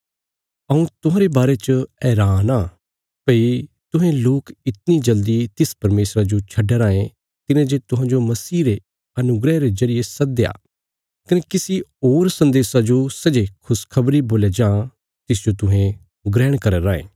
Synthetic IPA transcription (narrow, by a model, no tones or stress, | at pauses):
ɐũt̪ʊɦãːɾebaːɾet͡ʃəɛːɾaːnaː | pɐi | t̪ʊɦẽloːkɪt̪nid͡ʒɐld̪it̪ɪspɐɾmeːsɾad͡ʒot͡ʃʰɐɖeɾãːẽ | t̪ɪnẽd͡ʒet̪ʊ̃ɦãːd͡ʒomɐsiːɾe | ɐnʊɡɾɛɾezɐɾɪjesɐd̪ea̰ː | kɐnekɪsioːɾsɐ̃nd̪eːsad͡ʒosɐd͡ʒekʰʊskʰɐbɾiboːled͡ʒãː | t̪ɪs̬d͡ʒot̪ʊɦẽ | ɡɾɛːɽ̃kɐɾeɾaːḛ̃ː